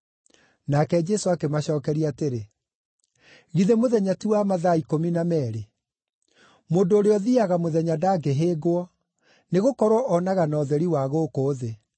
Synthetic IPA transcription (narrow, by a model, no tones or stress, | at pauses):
nakɛd͡ʒɛsoakemaɕɔːkɛɾiateɾe | ɣiðemoðɛɲatiwamaðaikominamɛɾe | moːndoːɾeɔðiaɣamoðɛɲadaːɡeɦeːɣoɔ | neɣokɔɾwɔʔɔnaɣanɔðɛɾiwaɣokoːðe